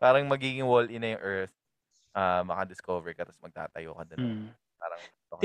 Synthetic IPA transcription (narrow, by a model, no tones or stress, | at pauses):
paːɾɐŋmɐɡiːɡɪŋwolɪnɐjʊŋʔɛɹt̪ | ʔamɐŋad̪ɪskoːvɛɹkɐt̪ɐsmɐɡ̚t̪a̰ːt̪ɐ̰joːkɐd̪on | paːɾɐŋ | t̪ok